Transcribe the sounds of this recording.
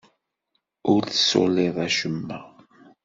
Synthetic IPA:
ʊɾθə̥so̰lɪðˤæʃəmːæ

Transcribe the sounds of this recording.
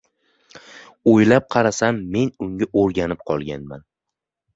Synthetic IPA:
ojlap̚qʰɑɾasamːe̞nʊŋɡʲaʔoɾɡʲanɪp̚qʰɒlˠɡʲanma̰n

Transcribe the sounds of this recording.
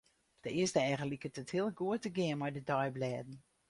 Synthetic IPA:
d̥əɪəstəɛjɣənlikətəthiəlˠɡuətəɡɪənmɔjdədɔjblɛːdn̩

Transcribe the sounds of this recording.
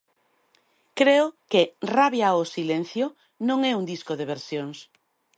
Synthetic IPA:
kɾeʊkɪraβjaosilen̟θjo | nõŋɛuŋd̪iskoðeβeɾsjoŋs

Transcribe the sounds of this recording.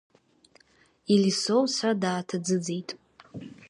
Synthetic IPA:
ilisowsradaːtʰad͡zɨd͡ze̞jtʼ

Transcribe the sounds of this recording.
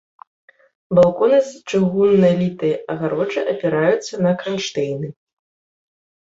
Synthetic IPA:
balˠkɔnɐst͡ʂɨɣunːɐlʲit̪ɨjɐʔɐɣaɾɔd͡ʐɨʔɐpʲɛɾajut̪sːɐnɐkɾɐnʂt̪ɛjnɨ

